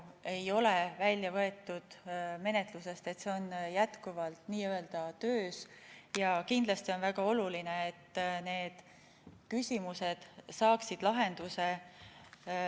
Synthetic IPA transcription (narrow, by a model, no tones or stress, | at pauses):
e̞jo̞levælʲːjɑvɤe̞t̪ːud̪̥me̞ne̞t̪luse̞st̪e̞t̪ːse̞o̞njæt̪kuvɑlt̪niːøeld̪̥ɑt̪øːsjɑkind̪̥lɑst̪io̞nvæɡ̥ɑo̞lulineet̪ːne̞ːd̪̥ | kysʲimuse̞d̪̥sɑːksid̪̥lɑɦe̞nd̪̥use̞